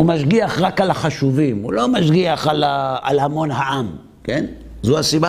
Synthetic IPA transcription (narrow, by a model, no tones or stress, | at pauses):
umaʃɡiaχʁakalaχaʃuvimṵlo̞maʃɡiaχalaa̰lhamo̞nɦaʔam | ken | zuasiba